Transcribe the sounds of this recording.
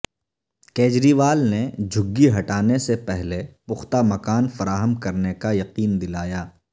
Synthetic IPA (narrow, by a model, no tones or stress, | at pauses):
keːd͡ʒɾiːʋaːlned͡ʒʱʊɡːiɦɐʈaːnesepɛɦlepʊxt̪amɐkaːnfɐɾaːɦəmkɐɾnekajɐqiːnd̪ɪlaːjaː